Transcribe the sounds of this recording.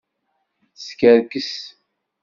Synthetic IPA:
θskæɾkəs

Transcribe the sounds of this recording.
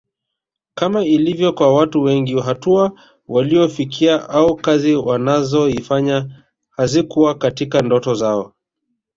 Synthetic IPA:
kamailivjɔkwawatuwɛŋɡiɦatua | waliɔfikʰiaʔaukaziwanazɔifaɲa | hazikuwakatikandɔtɔzaɔ

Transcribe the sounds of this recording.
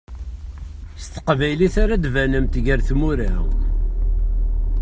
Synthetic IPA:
st̪ə̥qvæjliθaɾad̪vænəmt̪ɡəɾθmuɾæ̰w

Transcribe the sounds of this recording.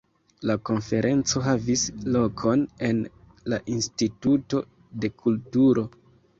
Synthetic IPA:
lako̞nfe̞ɾʔe̞nt͡so̞ɦavislo̞kʰo̞ne̞n | laʔinstituto̞ | de̞kʰultuɾo̞

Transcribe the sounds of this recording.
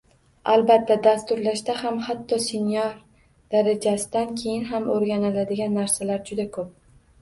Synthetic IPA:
albat̪ʰːad̪ast̪ʊɾlaʃd̪ahamhat̪ʰːɒsɪnjɒɾ | d̪̥aɾad͡ʒasɪd̪ankʲʰe̞jɪnɦamoɾɡʲanɪlad̪ɪɡʲanːaɾsalaɾd͡ʒʊd̪akʰɵp̚

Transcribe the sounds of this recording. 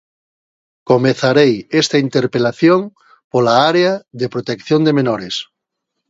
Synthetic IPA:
komeθaɾejest̪aint̪eɾpelaθjoŋ | polaaɾeaðepɾot̪ekθjond̪emenoɾes

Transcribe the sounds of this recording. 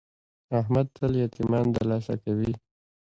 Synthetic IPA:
aɦmad̪̚t̪əljat̪imɑnt̪aɾlɑsa̰kawi

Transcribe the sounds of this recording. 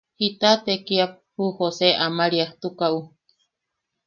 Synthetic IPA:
hit̪at̪ekiap̚huhoseʔamaɾiaht̪ukaʔu

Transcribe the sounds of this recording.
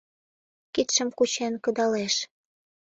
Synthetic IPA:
kit̪ʃə̆mkut͡ɕenkɤ̆d̪ɑleʃ

